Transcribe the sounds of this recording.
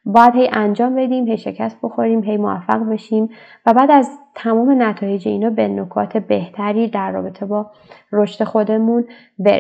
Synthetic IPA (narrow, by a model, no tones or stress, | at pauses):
bɒːjæd̪hejʔænd͡ʒɒːmbe̞d̪iːmhe̞jʃe̞cʰæst̪̚b̥o̞xo̞ɾiːmɦejmovæ̰fːæ̰ɣbe̞ʃiːm | væbæːd̪æzt̪ʰæmɒːme̞næt̪ʰɒːje̞d͡ʒeinɒːbenokʰɒ̰ːt̪ʰe̞be̞ht̪ʰæɾiːd̪æɾːɒ̰ːbe̞t̪ʰe̞bɒː | roʃt̪e̞xo̞d̪e̞mun | bḛɾ